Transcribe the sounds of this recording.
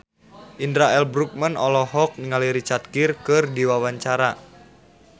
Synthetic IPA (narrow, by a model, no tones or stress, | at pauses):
ʔindɾaɛlbɾuk̚mənɔlɔɦɔk̚niŋaliɾit͡ʃart̪̚kirkɨrdiwawaɲt͡ʃaɾa